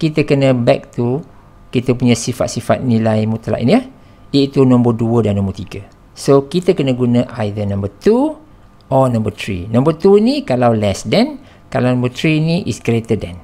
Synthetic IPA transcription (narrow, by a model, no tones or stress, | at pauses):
kit̪əkənə̃bɛk̚t̪u | kit̪əpuɲãsifa̰t̪sifat̪̚nilajmut̪ala̰ʔḭniah | it̪unɔ̃mbəduədanːɔ̃mbərt̪iɡə | sokit̪əkənəɡunə̃ʔajðənãmbət̪u | ɔnãmbət̪ɾḭnãmbət̪uinikalawlɛsdɛn | kalawnãmbət̪ɾiniʔḭsɡɾet̪ədɛ̃n